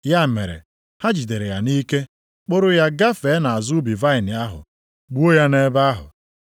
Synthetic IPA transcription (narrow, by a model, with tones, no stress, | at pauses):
ja˦˨mḛ˨ɾḛ˨ | ha˦d͡ʒi˨de˨ɾe˨ja˨ni˦ke˦ | k͡po˦ɾʊ˦ja˦ɡa˦fe˨˦na˨a˨zu˦bi˨va˦ɪ˨nɪ˨a˦ɦʊ̰˨ | ɡ͡bu˦o˦ja˦ne˦ba˦ɦʊ̰˨